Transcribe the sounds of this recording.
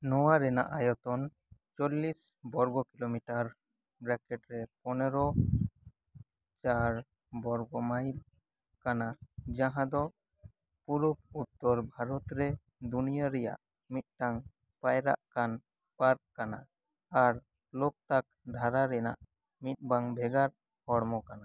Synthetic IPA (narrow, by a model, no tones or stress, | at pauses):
nɔwaɾɛna̰ʔajɔt̪ɔn | t͡ʃɔlːis | bɔɾɡɔkilomiʈaɾ | bɾɛkɛʈɾɛpɔnɛɾɔ | t͡ʃaɾ | bɔɾɡɔmail | kanad͡ʒãɦãd̪ɔ | puɾuput̪ːɔɾbʱaɾɔt̪ɾɛ | d̪unijaɾɛja̰ʔ | mit̪̚ʈaŋ | pajɾa̰ʔkan | pat̪̚kana | aɾ | lok̚t̪ak̚d̪ʱaɾaɾɛna̰ʔ | mit̪̚baŋbʱɛɡaɾ | hɔɽmɔkana